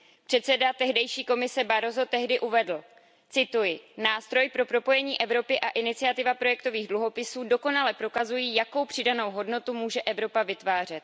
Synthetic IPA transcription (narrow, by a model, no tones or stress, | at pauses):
pr̥ɛt̪sɛdat̪ɛɦdɛjʃiːko̞mɪsɛbaɾo̞zo̞t̪ɛɦdɪʔuvɛdl̩ | t͡sɪt̪ujɪnaːst̪ɾo̞jpɾo̞pɾo̞po̞jɛɲiːʔɛvɾo̞pɪʔaʔɪnɪt͡sɪat̪ɪvapɾo̞jɛkt̪o̞viːɣdluɦo̞pɪsuːdo̞ko̞nalɛpɾo̞kazujiːjako̞wpr̝̥ɪdano̞wɦo̞dno̞t̪umuːʒɛʔɛvɾo̞pavɪt̪vaːr̝ɛt̪̚